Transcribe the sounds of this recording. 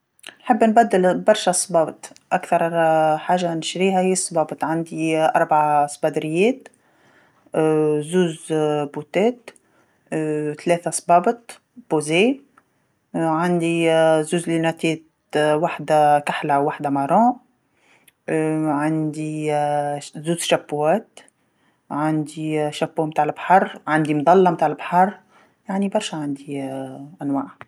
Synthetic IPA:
nħɪbːnbæd̪ːɪlbɑɾˤʃasˤbɑːbt̪ʔakθɑɾˤħaːʒːanʃɾiːɦahɪːasˤːbɑːbət̪ˤʕand̪iʔɑɾˤbaʕasˤbɑd̪ɾɪjːɛːt̪ | zuːzbut̪ɛːt̪ | t̪lɛːθasˤbɑːbət̪ | b̥oze | ʕand̪izuːzlinæt̪ɛːt̪ | waħd̪akaħlawːaħd̪amɑɾˤɑ̃ | ʕand̪i | zuːzʃæbːwæːt̪ | ʕand̪iʃæpːoːmt̪aːʕɪlbħɑɾˤʕand̪imd̪ˤɑlːɑmt̪aːʕɪlbħɑɾˤ | jaʕnibɑɾˤʃaʕand̪iʔænwaːʕ

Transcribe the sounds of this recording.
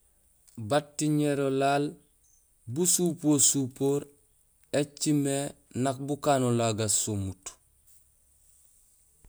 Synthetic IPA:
batːiɲeɾolaːl | busuːpoːsuːpoːɾ | et͡ʃimenak̚bukaːnolaɡasomut

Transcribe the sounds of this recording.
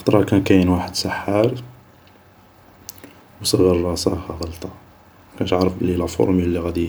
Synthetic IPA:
t̪ˤɾˤɑkænkæjənwaħəd̪səħːɑɾˤ | wsˤəɣəɾˤːɑsˤɑhæɣəlt̪ˤɑ | kænt̪ʕɾəflilæfo̰ɾˤmilːiɣæd̪i

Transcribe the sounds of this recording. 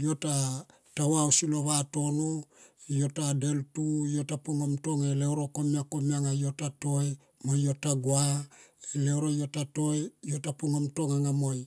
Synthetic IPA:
jo̞ta | tawawsilo̞βato̞nojo̞tade̞ltujo̞tapuŋamto̞ŋeleoɾoko̞miako̞miaŋajo̞tato̞e | mojo̞taɡuaele̞wɾojo̞tato̞ejo̞tapuŋamto̞ŋaŋamo̞j

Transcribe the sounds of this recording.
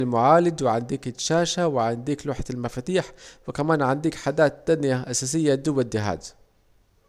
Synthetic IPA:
lmʊʕaːlɪd̪wɪʕɪnd̪iːkɪʃaːʃawɪʕɪnd̪iːkluːħat̪almafat̪iːħwɪkamaːnʕɪnd̪iːkħad̪aːt̪ːanɪjaʔasaːs̬ɪjːad̪ʊwːad̪ːɪɦa̰ːd̪

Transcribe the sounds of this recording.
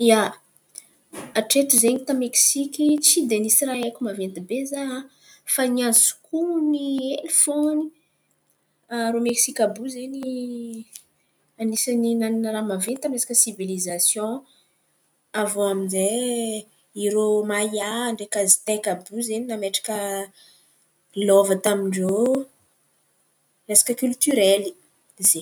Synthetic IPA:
ia | aʈ͡ʂet̪uzeɲit̪ameksikʲit͡sid̪enisiraekʲumavent̪ibeza | faniazu̥kunielfoni | aɾomeksikʲabuzeni | anisaninaninəɾamavent̪aminesḁkəsivilizasjɔ̃ | avɔaminze | iɾomajaːɳɖ͡ʐekazi̥t̪ekabuzeninameʈ͡ʂḁkə | lɔvət̪amiɳɖ͡ʐo | esḁkəkylt̪yɾɛli | ze

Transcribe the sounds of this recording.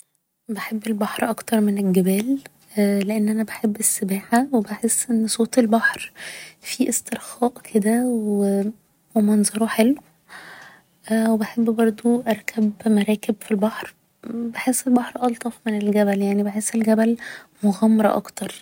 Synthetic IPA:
beħebːelbɑħɾʔɑkt̪ɑɾˤmenelɡebæːlː | leʔenːʔænæbeħebːesːebæːħawebaħesːʔenːsˤoːt̪elbɑħɾfiʔest̪eɾxɑːʔkʰed̪æwe | wemɑnzˤɑɾˤoħelw | ʔwebeħebːbɑɾˤd̪ˤoʔɑɾˤkʰæbmæɾˤɑːkebfilbɑħɾ | beħesːelbɑħɾʔɑlt̪ˤɑfmenelɡæbæljaʕnibeħesːelɡæbælmoɣɑmːɑɾˤɑʔɑ̰kt̪ɑɾˤ

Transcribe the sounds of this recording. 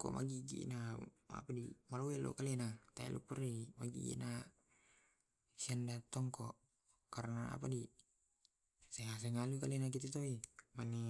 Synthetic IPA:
kɔ̰mʔa̰ɡiɡḭʔna | a̰padimalowɛlʔo̰kalɛnat̪aḭlʔṵpurimaɡḭɡḭna | siandat̪ɔŋkɔʔ | kaɾnaa̰p̬adi | seɦas̬eŋalukalɛnak̬it̪it̪oimane

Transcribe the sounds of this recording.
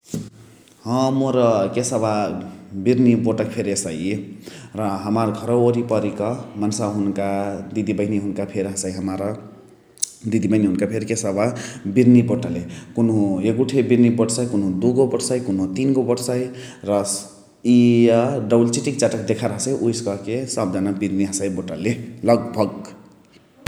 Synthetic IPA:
hʌ̃moɾʌkesʌbabiɾniboʈʌk̚pʰeɾesʌj | rʌɦʌmarɡʱʌɾʌoɾipʌɾikʌmʌnsaɦunkad̪id̪ibʌjniɦunkapʰeɾʌɦasajɦʌmaɾʌ | d̪id̪ibʌjniɦunkapʰeɾkesababiɾniboʈalekunɦũekuʈʰebiɾnibɔɽsajkunɦũd̪uɡobʌɽsajkunɦũt̪inɡobʌɽsajɾʌ | iɖʌbult͡ʃiʈik̚t͡ʃaʈək̚d̪ekʰaɾɦəsajʔujskʌkesʌb̚danabiɾniɦasajboʈalelʌɡbʱʌɡ

